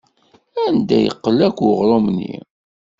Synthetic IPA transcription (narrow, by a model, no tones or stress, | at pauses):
ænd̪æ̰jə̰qːəlækʷʁɾˤomnːḭ